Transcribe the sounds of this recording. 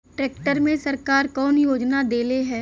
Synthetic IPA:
ʈɾeːkʈəɾmẽsəɾkaːɾkɔːnjoːd͡ʒnad̪eːleɦɛː

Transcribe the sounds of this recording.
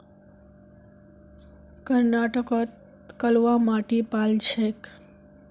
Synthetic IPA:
kəɾnaʈəkot̪ | kəlʋamaʈipalt͡ʃʰek

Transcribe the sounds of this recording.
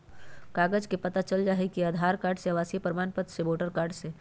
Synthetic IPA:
kaːɡəd͡ʒkepɐt̪at͡ʃəld͡ʒaːɦekiaːd̪ʱaːɾkaːɾɖseʋaːsipɾəmaːnpət̪seboːʈəɾkaːɾɖse

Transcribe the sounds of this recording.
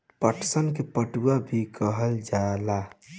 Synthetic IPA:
pəʈʰsənkepəʈuabʱikəɦəld͡ʒaela

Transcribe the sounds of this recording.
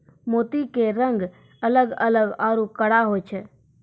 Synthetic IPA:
moːt̪ikeɾə̃ŋɡ | ələɡələɡaːɾukəɽaɦojt͡ʃʰɛː

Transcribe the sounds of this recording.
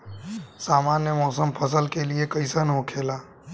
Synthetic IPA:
saːmaːnjəmɔːsəmpʰəsəlkeliekəɪsənɦokʰeːlaː

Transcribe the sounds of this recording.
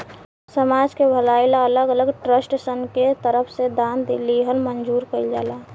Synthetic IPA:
səmaːd͡ʒkebʱəlaːɪlaələɡələɡʈɾəsʈsənket̪əɾəpʰsed̪aːnd̪liɦəlmənd͡ʒuːɾkəid͡ʒa̰ːla

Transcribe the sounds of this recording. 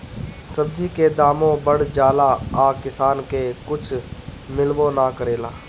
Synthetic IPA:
səbd͡ʒiked̪aːmõbəɽ̤d͡ʒaːlaaːkɪsaːnkekʊt͡ʃʰmɪlʋõnakəɾeːlaː

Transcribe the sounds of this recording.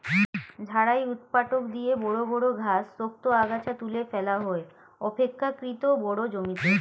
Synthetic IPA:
d͡ʑʱaɽajut̪paʈokd̪iebɔɽobɔɽoɡʱasɾok̚t̪oaɡat͡ɕat̪ulefɛlaɦoe | ɔpekʰːakɾit̪obɔɽod͡ʑomit̪e

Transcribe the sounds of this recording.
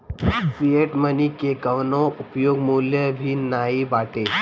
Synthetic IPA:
pieʈmənikeɡəʋnoʔʊpjoːɡmuljəbʱinaːibaːʈeː

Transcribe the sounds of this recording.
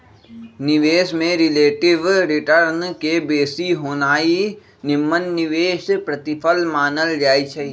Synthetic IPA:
nɪʋeːʃmẽɾɪleːʈɪʋɾɪʈəɾnkebeːsiɦoːnaːi | nɪmːənːɪʋeːʃpɾət̪ɪpʰəlmaːnəld͡ʒaːit͡ʃʰɛ

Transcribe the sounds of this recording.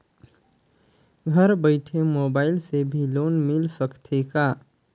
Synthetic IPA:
ɡʱəɾbəɪʈʰemoːbaːɪlsebʱiloːnmɪlsəkt̪ʰeka

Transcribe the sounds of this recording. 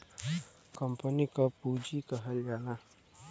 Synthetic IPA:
kəmpənikəpud͡ʒikəɦəljala

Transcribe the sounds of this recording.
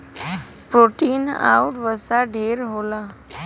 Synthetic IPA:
pɾoʈiːna̰uʈʋəsaɖʱeːɾɦola

